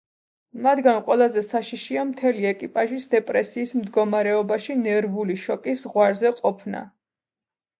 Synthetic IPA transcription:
mad̪ɡanqʼwɛlˠazɛsaʃiʃiamt̪ʰɛliɛkʼipʼaʒisd̪ɛpʼɾɛsiːsmd̪ɡɔmaɾɛɔbaʃinɛɾvuliʃɔkʼisʁwaɾzɛqʼɔpʰna̰

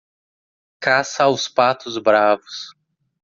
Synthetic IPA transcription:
kasɐawspat̪ʊzbɾavʊs

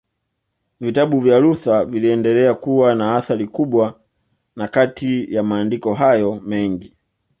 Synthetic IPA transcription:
vitaɓuvjaluθaviliɛndɛlɛakuwanaaθaɾikuɓwa | nakatʰijamaːndikɔɦajɔmɛŋɡi

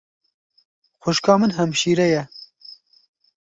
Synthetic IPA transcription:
xʷʊʃkɑːmɨnɦɛmʃiːɾɛjɛ

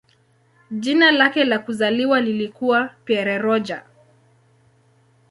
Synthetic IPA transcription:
ʄinalakɛlakuzaliwalilikuwapiɛɾɛɾɔd͡ʒa̰

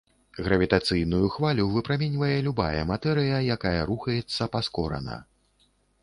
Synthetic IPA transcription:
ɣɾɐvʲit̪at̪sɨjnujuxvalʲuvɨpɾamʲɛnʲvɐjɛlʲuba̰jɐ̰mat̪ɛɾɨjɐjakajɐɾuxɐjɛt̪sːɐpaskɔɾɐ̰nɐ̰

